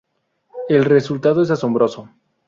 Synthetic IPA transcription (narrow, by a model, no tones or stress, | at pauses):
e̞lre̞sult̪að̞oes̬aso̞mbɾo̞so